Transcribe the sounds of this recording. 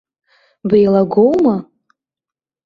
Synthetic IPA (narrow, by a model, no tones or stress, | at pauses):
bejlaɡʷowma